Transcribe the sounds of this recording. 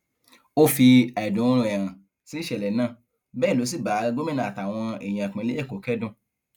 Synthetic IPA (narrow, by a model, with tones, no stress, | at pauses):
o˦fi˧a˨dũ˨˦ɾũ˧ɛ˨ɾ̃ã˨ | si˦ʃɛ˨lɛ˨nãː˦˨ | bɛː˦˨lo˨˦si˦˨ba˨˦ɡo˦mẽ˦nã˨a˨ta˨w̃ɔ̃˧ɛ˨jĩ˨a˨k͡pẽ˨˧˦le˦ɛ˦˨ko˨˦kɛ˦dũ˦˨